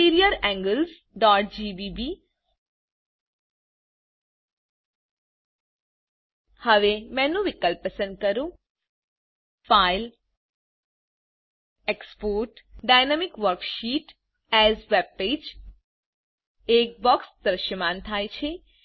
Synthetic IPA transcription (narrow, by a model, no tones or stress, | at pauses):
iɾijəɾɛ̃ŋɡəls | ɖɔʈ̚d͡ʒibibi | həʋemɛ̃nũʋɪkəlpːəsə̃nd̪̚kəɾũ | fail | ekspoɾʈɖajnamikʋəɾkʃiʈ | ɛzʋeb̚ped͡ʒ | ek̚bɔksd̪ɾəʃəmant̪ʰajt͡ʃʰe